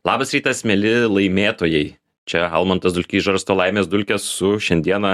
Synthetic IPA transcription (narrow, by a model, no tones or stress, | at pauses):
lˠɑːbɐsɾʲiːt̪ɐsmʲɛlʲɪlˠɐɪmʲeːt̪oːjɛɪ | t͡ʃʲɛɐlˠmɐnt̪ɐsd̪ʊlʲkʲiːsʒɐɾst̪oːlˠɐɪmʲeːsd̪ʊlʲkʲɛssʊʃʲɛnʲd̪ʲiɛnɐ